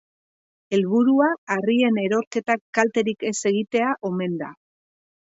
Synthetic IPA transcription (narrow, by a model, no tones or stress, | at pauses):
e̞lβuɾuaarie̞ne̞ɾo̞ɾke̞t̪akːalt̪e̞ɾike̞se̞ɣ̞it̪e̞aʔo̞me̞nd̪a̰